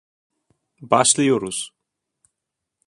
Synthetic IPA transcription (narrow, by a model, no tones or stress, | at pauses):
baʃlijoɾus